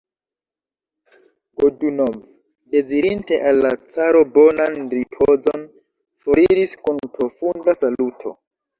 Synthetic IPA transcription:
ɡodunov | de̞ziɾinte̞ʔalːat͡saɾo̞bo̞nanripʰozo̞n | foɾiɾiskunpɾo̞fundasalutʰo̞̰

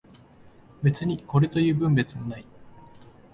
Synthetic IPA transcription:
be̞t͡sɨɲ̟iko̞ɾe̞t̪o̞jɯ̟ːbɯ̟̃mbe̞t͡sɨmo̞nai

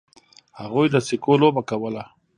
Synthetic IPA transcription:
haɣujd̪əsɪkolobakawəla

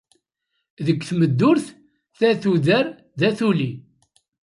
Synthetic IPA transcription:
ðəkːθməd̪ːʊɾθ | θæθuðəɾ | ðæθuli

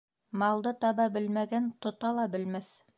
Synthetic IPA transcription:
mɑlˠd̪ɤt̪ɑbɑbɘlmæɡænt̪ŏt̪ɑlˠɑbɘ̆lmæs

